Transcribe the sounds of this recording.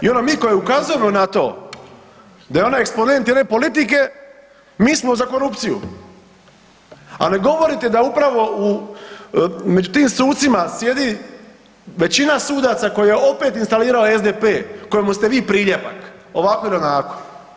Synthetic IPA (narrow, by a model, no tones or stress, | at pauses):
io̞nomiːko̞jeukazuje̞mo̞nat̪o̞̰ː | d̪ajeo̞najekspo̞ne̞nt̪jed̪nepo̞lit̪ike̞ | miːsmo̞zako̞ɾupt̪sijṵ | a̰ne̞ɡo̞ʋo̞ɾit̪e̞d̪aupɾaʋo̞u | me̞d͡ʑut̪iːmsuːt̪t̪simasje̞d̪i | ʋe̞t͡ɕinasuːd̪at̪sako̞jije̞o̞pe̞t̪inst̪aliːɾaoezd̪epeːko̞jemust̪e̞ʋiːpɾiːʎe̞pa̰k | o̞ʋakojelonaːko̥